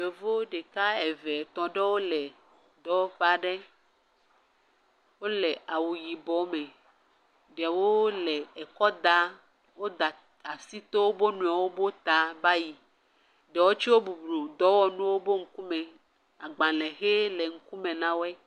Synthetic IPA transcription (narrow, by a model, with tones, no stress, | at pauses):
e˨vo˦ɖe˨ka˦ɛ˨vɛ˨t̪ɔ̃˨ɖɛ˦wo˦lɛ˨ | d̪ɔ˦wɔ˦ɸa˦˨ɖɛ˦ | wo˦lɛ˨ʔa˨wu˨ji˨bɔ˨mɛ̃˨ | ɖɛ˨wo˦lɛ˨ɛ˨kɔ˦d̪a˦ | wo˦d̪a˨ | a˨si˦t̪o˦wo˦bo˦nũ˨a˨wo˦bo˦t̪a˨ba˦ji˨ | ɖɛ˨wo˦t͡ʃi˦wo˦bu˨blo˨d̪ɔ˦wɔ˦nũ˦wo˦bo˦ŋ̩˦ku˦mɛ̃˨ | a˨ɡ͡bã˨lɛ̃˨ɦe˦lɛ˨ŋ̩˦ku˦mẽ˨nã˦wo˦ɛ˦